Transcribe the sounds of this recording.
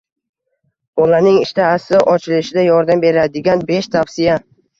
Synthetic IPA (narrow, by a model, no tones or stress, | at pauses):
bɒlanɪŋɪʃt̪aːsɪʔɒt͡ʃʰɪlɪʃɪd̪ajɒɾd̪ambe̞ɾad̪ɪɡʲanbe̞ʃt̪ʰafsɪja